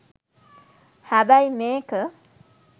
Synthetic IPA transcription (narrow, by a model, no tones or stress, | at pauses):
habajmeːkə